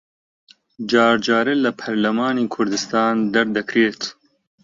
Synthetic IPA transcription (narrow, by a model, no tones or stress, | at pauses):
d͡ʒɑːɾd͡ʒɑːɾɨlɐpʰɐɾlɐmaːneːkʰʊɾd̪ɨst̪ɑːnd̪ɐɾd̪ɐkɾeːt̪